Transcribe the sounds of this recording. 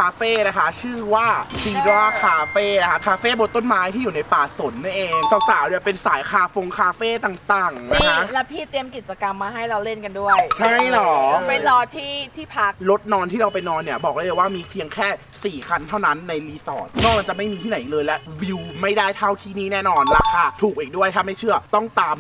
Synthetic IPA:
kʰaː˧feː˥˩na˦˥kʰa˦˥t͡ɕʰɯː˥˩waː˥˩siː˧daː˦˥˩kʰaː˧feː˥˩na˦˥kʰa˦˥kʰaː˧feː˥˩bo˧t̪t̪ːo˥˩nmaː˦˥jt̪ʰiː˥˩juː˨˩na˧jpaː˨˩so˩˦nː˥˩nʔeː˧ŋsa˨˩saː˩˦wdi˥˩əpe˧nsaː˩˦jkʰaː˧fo˧ŋkʰaː˧feː˥˩t̪aː˨˩ŋt̪aː˨˩ŋna˦iː˦˥kʰa˦˥lɛ˦˥pʰiː˥˩t̪i˧əmki˨˩t͡ɕa˧ka˧mːaː˧ɦa˥˩jɾa˧wle˥˩nka˧ndu˥˩əjt͡ɕʰa˥˩jlɔː˩˦pe˧nlɔː˧t̪ʰiː˥˩t̪ʰiː˥˩pʰa˦˥k̚lo˦˥t̪̚nɔː˧nt̪ʰiː˥˩ɾa˧wpa˧jnɔː˧nːi˦˥˩ɐbɔː˨˩k̚aː˥˩˨jwaː˥˩miː˧pʰi˧əŋkʰɛː˥˩ | siː˨˩kʰa˧nt̪ʰa˥˩wna˦˥nːa˧jliː˧˥sɔː˨˩t̪̚nɔː˥˩ma˧nt͡ɕa˨˩ma˥˩jmiː˧t̪ʰiː˥˩na˩˦jiː˨˩lɤː˧jlɛ˦˥wi˧wma˥˩jdaː˥˩jt̪ʰa˥˩wt̪ʰiː˥˩niː˥˩nɛː˥˩nɔː˧nɾaː˧kʰaː˧t̪ʰuː˨˩k̚ʔiː˨˩k̚du˥˩əjt̪ʰaː˥˩ma˥˩jt͡ɕʰɯ˥˩ɐt̪ɔ˥˩ŋt̪aː˧m

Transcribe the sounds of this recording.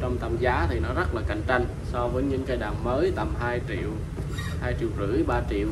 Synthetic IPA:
t͡ɕɔ˧wŋ͡mt̪ʰa˧˩mzaː˨˦t̪ʰi˨˩nɔ˨˦zə˦˥t̚laː˨˩ka̰˧˩jŋ̟t͡ɕa˧jŋ̟ | sɔ˧vəː˨˦jɲɨ̰˧˥ŋkaː˨˧jɗaː˨˩ŋməː˨˦jt̪a˨˩mɦaː˧ji˧˩˨w | haː˧jt͡ɕḭ˧˩˨wzɨ̰˧˩˥jɓaː˧t͡ɕi˧˨əw

